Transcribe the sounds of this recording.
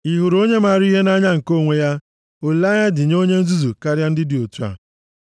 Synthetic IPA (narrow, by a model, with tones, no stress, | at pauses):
i˨ɦʊ˨ɾo˦ɲe˦ma˨ɾi˦ɦe˦na˦ɲa˦ŋ̩˨ko˦˨ŋʷe˦ja˦ | o˨la˦ɲa˦dɪ˨ɲ˦o˦ɲe˦n̩˦zu˦zu˨ka˦ɾja˦n̩˦dɪ˦dɪ˨o˨tu˦a̰˨